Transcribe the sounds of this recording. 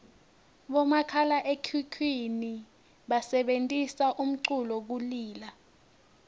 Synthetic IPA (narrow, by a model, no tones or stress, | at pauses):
ɓɔmakʰalaʔekʰukʰwini | ɓasɛɓentʼisaʔum̩ǀulɔk̬uliːla